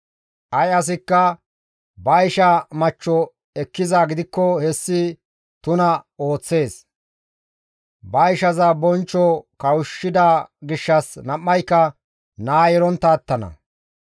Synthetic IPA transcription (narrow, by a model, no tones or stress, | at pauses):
ʔɐjɐs̬ɪkːɐ | bɐjʃɐmɐt͡ʃːɔ | ɛkːɪzaːɡɪd̪ɪkːɔhɛsːɪ | t̪ʊnɐo̞ːt͡sːe̞ːs | bɐjʃɐzɐbɔnt͡ʃːɔkɐwʊʃːɪd̪aːɡɪʃːɐsnɐmːɐjkːɐ | naːjɛɾɔnt̪ːɐːt̪ːɐnɐ̰